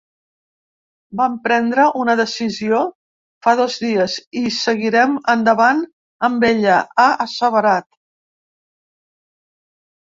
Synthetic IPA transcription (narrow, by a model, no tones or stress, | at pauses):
bampɾɛnd̪ɾəʔunəðəsizio | faðɔzðiəzisəɣiɾɛmənd̪əβan | əmbeʎəaʔəsəβəɾat̪